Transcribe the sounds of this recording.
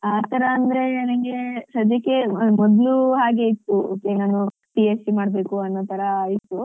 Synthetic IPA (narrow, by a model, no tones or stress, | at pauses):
aːt̪ɐɾɐːnd̪ɐɾe̞nɐŋɡesɐd͡ʒjɐkːe̞mɔd̪luɦaːɡe̞it̪ːuoːkenaːnu | ʈiesʈimaːɽbe̞ːkuɐnːot̪ʰɐɾɐːjit̪ːu